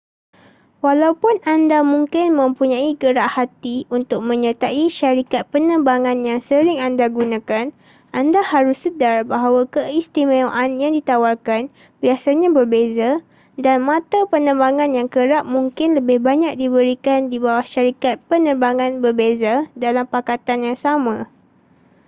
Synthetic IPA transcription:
walawpʊnandamũŋkɪnmə̃mpuɲãiɡəɾaʔhat̪iunt̪ʊk̚mə̃ɲət̪aʔiʃaɾikat̪̚pənə̃mbaŋãnjaŋsəɾɪŋandaɡunãkan | andahaɾʊsːədarbaɦawakəist̪imẽʔanjaŋdit̪awarkan | biasaɲãbərbeza | danmãt̪apənə̃mbaŋãnjaŋkəɾaʔ̚muŋkɪnləbɪhbaɲãk̚dibəɾikandibawahʃaɾikat̪̚pənərbaŋãnbərbezadalampakat̪anjaŋsamã

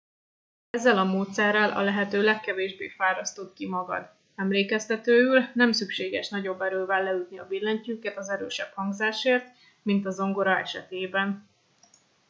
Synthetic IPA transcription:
ɛzːɛlɒmoːt̪sɛrːɛlʔɒ̰lɛɦɛt̪øːlɛkːɛveːʒbḛːfaːɾɒst̪ot̪kimɒɡɒ̰d̪ | ɛmleːkɛst̪ɛt̪øːylnɛmsykʃeːɡɛʃnɒɟo̞bːɛɾøːvɛlːɛyt̪̚niɒbilːɛɲcyːkɛt̪ɒzɛɾø̰ːʃɛphɒŋɡzaːʃeːrt̪ | mint̪ɒzo̞ŋɡo̞ɾɒɛ̰ʃɛ̰t̪eːbɛn

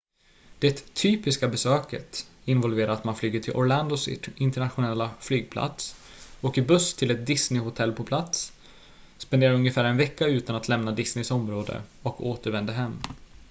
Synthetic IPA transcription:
d̪̥ɛt̪ʰːyːpɪskabɛsøːkə̰t̪ɪnvɔlveːɾaat̪manflyːɡəʈʰɪlʔɔɾɭand̪ʊsɪnt̪əɳat̪ɧʊnɛlːaflyːɡ̚pʰla̰t̪s | ɔkːəbɵst̪ʰɪlɛt̪̚d̪ɪsnɪhʊt̪ʰɛlːpʰɔpʰlat̪s | spɛnd̪eːɾaɾɵŋjəfæːɾɛnvɛkːaʉ̟ːt̪anat̪lɛmnad̪ɪsnɪsɔmɾoːd̪ə̰ɔkoːt̪əɾvɛnd̪əɦɛmː

